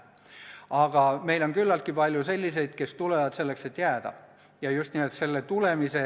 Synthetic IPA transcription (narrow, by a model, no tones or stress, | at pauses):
ɑɡ̥ɑme̞jlo̞ŋkylːɑlt̪̚kipɑlʲjuse̞lʲːise̞jd̪̥ke̞st̪ule̞vɑd̪̥se̞lːe̞kse̞t̪ːˑjæːd̪̥ɑ̰ | jɑjust̪niːmelt̪se̞lːet̪ule̞mise